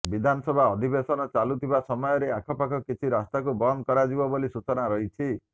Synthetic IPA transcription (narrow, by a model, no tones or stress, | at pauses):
bid̪ʱanɔsɔbʱaɔd̪ʱibesɔnɔt͡ʃalut̪ʰibasɔmɔjɔɾeakʰɔpakʰɔkit͡ʃʰiɾast̪akubɔnd̪̚kɔɾad͡ʒibɔbolisut͡ʃɔnaɾɔɦit͡ʃʰi